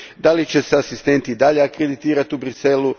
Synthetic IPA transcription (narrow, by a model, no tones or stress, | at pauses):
d̪alit͡ɕe̞seasist̪e̞nt̪iːd̪aʎeakɾe̞d̪it̪iːɾat̪iubɾiselu